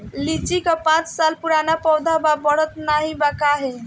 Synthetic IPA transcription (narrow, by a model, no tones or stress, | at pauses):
lit͡ʃikapãt͡ʃsalpuɾanapɔwd̪ʱababəɽ̤ət̪naɦĩbakaɦe